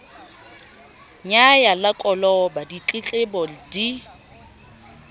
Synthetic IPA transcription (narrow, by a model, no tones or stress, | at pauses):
ɲajalakʼɔlɔbadit͡ɬʼɪt͡ɬʼɪbɔldi